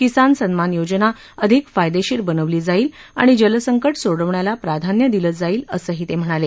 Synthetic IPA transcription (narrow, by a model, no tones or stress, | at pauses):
kisansənmanjod͡ʑna | əd̪ʱikfajd̪eɕiːɾbənəʋliːd͡zaiːla̰ɽ̃id͡ʑələsəŋkəʈsoɽəʋɳjalapɾad̪ʱanjəd̪ilət̪̚d͡zaiːləsəːɦiːt̪em̤əɽ̃ale